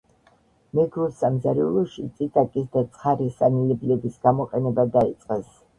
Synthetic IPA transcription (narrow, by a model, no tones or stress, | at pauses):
mɛɡɾusamzaɾiulˠɔʃit̪sʼit̪ʼakʼisd̪at̪sʼχaɾisanilɛblɛbisɡ̥amɔqʼɛnɛbad̪ait̪sʼqʼɛs